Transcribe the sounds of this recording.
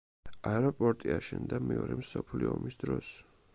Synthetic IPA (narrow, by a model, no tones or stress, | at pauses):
aɛɾɔpʼɔɾt̪ʼiaʃɛnd̪amɛɔɾɛmsɔpʰliɔmisd̪ɾɔs